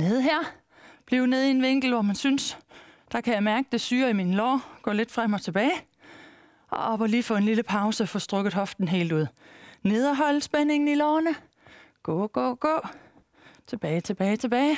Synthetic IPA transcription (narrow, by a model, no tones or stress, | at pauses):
ne̝ð̞ˠɦeɐ̰ | b̥liʊne̝ð̞ˠie̝nʋeŋ̰ɡ̥l̩ʋɒmænsynsd̥ɑ̈kʰæjɑ̈ɪmæɐɡ̥əd̥e̝syːɐiminlɒ̰ːɡ̥ɔ̰̽ːle̝d̥fʁam̰ɒ̽t͡sʰe̝b̥ɛːɪ | ʔɒ̽ʔɒ̽b̥ɒliːfɔ̽ːe̝nliləpʰɑ̈ʊsəfɔ̽ːsd̥ʁɔɡ̥ð̩ˠɦɒ̽fd̥n̩ɦe̝̰ːld̥uð̰ˠne̝ðˠɒɦɒ̽l̰sb̥ene̝ŋn̩ilɒːnə | ɡ̥ɔ̰ːɡ̥ɔ̰ːɡ̥ɔ̰ː | t͡sʰe̝b̥ɛːɪt͡sʰe̝b̥ɛːɪt͡sʰe̝b̥ɛːɪ